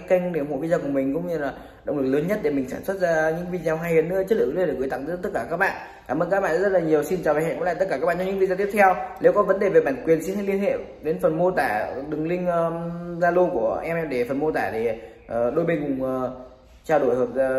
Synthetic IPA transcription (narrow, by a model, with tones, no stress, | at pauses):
ka˧jŋɗe˧˩˨mo̰˧˨vi˧zəː˧˩kʊ˧˩mï˨˩ŋ̟kʊ̰˧˥ŋ͡mɲɨ˧laː˨˩ | ɗə̰˧˨wŋ͡mlɨ˨˩k̚ləː˨˦nɲə˦˥t̚ɗe˧˩mï˨˩ŋ̟saː˧˩nswə˦˥t̚zaː˧ɲɨ̰˧˥ŋvi˧zaː˧wɦaː˧jhi˨˦nɨ˧˥˦t͡ɕə˦˥t̚lɨ̰˧˨˧kt̪a˧˨˧t̪t̚kaː˧˩kaː˦˥k̚ɓa̰ː˧˨ʔ | kaː˧˩mʔəː˧nkaː˦˥kɓa̰ː˧˨˧zə˦˥laː˨˩ɲi˨˩əwsi˧nt͡ɕaː˨˩a˨˩hɛ̰˧˨kl̰aː˧˨t̪ə˦˥kaː˧˩kaː˦˥ɓaː˧˨t͡ɕɲɨ̰˧˥i˧zaː˧t̪i˦˥əpt̪ʰɛ˧wne˨˦wkɔ˨˦və˨˦nɗe˨˩ve˨˩ɓaː˧˩nkwi˨˩ənsi˧nha˧jli˧ənhḛ˧˨ | ɗe˨˦nfə˨˩nmo˧t̪aː˧˩ɗɨ˨˩ŋlï˧ŋə˧zaː˧lo˧ku˧˩əʔɛ˧mʔɛ˧mɗe˧˩fə˨˩nmo˧t̪aː˧˩ɗe˧˩ | əː˨˩ɗo˧jɓe˧nkʊ˨˩ŋ͡mə˨˩ | t͡ɕaː˧wɗo˧˩jhəː˨˩p̚zaː˧